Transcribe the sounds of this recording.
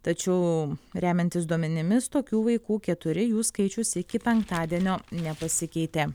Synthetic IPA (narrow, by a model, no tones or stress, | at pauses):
t̪ɐt͡ʃʲɛʊɾʲæːmʲɛnt̪ʲɪs̬d̪uɔmʲɛnʲɪmʲɪst̪oːkʲuːʋɐɪkuːkʲɛt̪ʊɾʲɪjuːskɐɪt͡ʃʲʊsɪkʲɪpʲɛŋkt̪ɑːd̪ʲiɛnʲoːnʲɛpɐsʲɪkʲɛɪt̪ʲeː